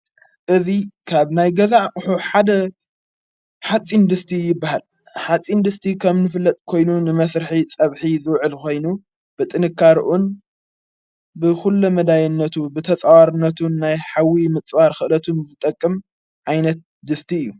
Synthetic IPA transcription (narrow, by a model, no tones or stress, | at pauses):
ʔɨzikʰaβnajɡɐzakʼʊħuħad̪ɐ | ħat͡sʼind̪ɨst̪ʰijɪbːahal | ħat͡sʼind̪ɨst̪ʰikʰɐmnɨfɨlːɐt̪ʼkʰo̞jnunɨmɐsɾɨħit͡sʼɐβħizɨwʕɨlko̞jnu | b̥ɨt̪ʼɨnɨkːaɾʔun | bɨxulːɐmɐd̪ajɪnːɐt̪ʰubɨt̪ʰɐt͡sʼawaɾɨnːɐt̪ʰunːajħawimɨt͡sʼβaɾxɨʔlɐt̪ʰunzɨt̪ʼɐkʼːɨm | ʕajnɐt̪̚ | d̪ɨst̪ʰiɨjːu